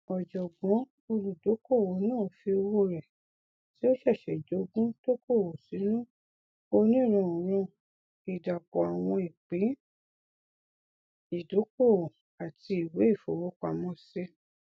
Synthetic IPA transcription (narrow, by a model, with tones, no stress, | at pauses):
ɔ˨d͡ʒɔ˨ɡɔ̃˨˦ | o˧ɾu˨do˨˦ko˦˨wo˨˦nãː˦˨fi˧o˧wo˦ɾɛ˨ | ti˨˦o˦ʃɛ˦˨ʃɛ˨d͡ʒo˨˦ɡũ˦to˦ko˦˨wo˨si˨˦nũ˦ | o˧nĩ˦˨ɾ̃ɔ̃˧˨ɾ̃ɔ̃˧ | i˨da˨kɔ˨a˨w̃ɔ̃˧i˨k͡pĩ˨˦ | i˨do˨˦ko˦˨wo˨ | a˨ti˧i˨we˨˦i˦˨fo˨wo˦k͡pa˨mɔ̃˦˧se˧˦